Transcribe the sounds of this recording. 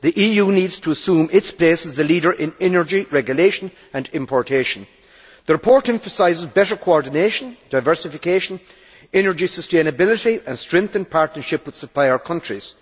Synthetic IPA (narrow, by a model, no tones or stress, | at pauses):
ðiʔijuːnidz̥tʰəːsũmɪtspʰl̥esəzəliɾə˞ʔɪ̃nɛnə˞d͡ʒiɹɛɡjʊleʃə̃n | ə̃nɪ̃mpʰɔɹtʰeʃə̃n̩ | ðəɹɪpʰɔɹtɛ̃ɱfəsaɪzɪzbɛɾə˞kʰoɔɹdɪneʃə̃nd̥aɪvɜ˞sɪfɪkʰeʃə̃n | ɛnə˞d͡ʒisəstẽnəbɪlˠɪɾiə̃nstɹ̥ɛ̃ŋk̚θə̃npʰaɹtnə˞ʃɪpwɨð̥səpʰl̥aɪə˞kʰʌ̃ntɹ̥iz̥